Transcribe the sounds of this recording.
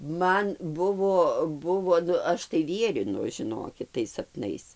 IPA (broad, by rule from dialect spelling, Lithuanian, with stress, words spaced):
ˈmɐn ˈbʊʋoː ˈbʊʋoː ˈnʊ ˈɐʃ tɐɪ ˈʋʲiɛrʲɪnʊ ʒʲɪˈnoːkʲɪt tɐɪs sɐpˈnɐɪs